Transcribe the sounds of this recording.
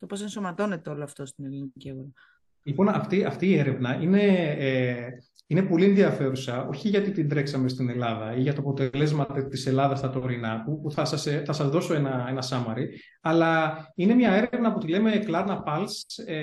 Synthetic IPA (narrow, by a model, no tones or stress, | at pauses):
t̪o̞pose̞nso̞mɐt̪o̞net̪eo̞loɐft̪o̞st̪inelincieɣoɾɐ | lipo̞nɐft̪iɐft̪iːe̞ɾe̞vnɐʔine̞ | ine̞po̞lienðiɐfe̞ɾusɐo̞çiʝɐt̪it̪ind̪ɾe̞ksɐme̞st̪ine̞lɐðɐiʝɐt̪oɐpo̞t̪e̞le̞zmɐt̪et̪ise̞lɐðɐst̪ɐt̪o̞ɾinɐpupuθɐsɐseθɐsɐzðo̞so̞enɐe̞nɐsɐmɐɾi | ɐlɐine̞mɲɐe̞ɾeevnɐːpot̪ileme̞klɐɾnɐpɐlse